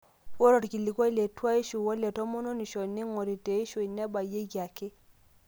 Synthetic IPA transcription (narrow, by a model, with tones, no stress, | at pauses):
wɔ˦ɾɔ˨tki˨li˨kwɔ˦i˦lɛ˨twa˦i˦ʃu˨wɔ˦lɛ˨tɔ˦mɔ˦nɔ˦ni˨ʃɔ˨ne˦ŋɔ˨ɾi˨te˨i˦ʃo˨i˨nɛ˦ba˨je˦ɡa˨ke˦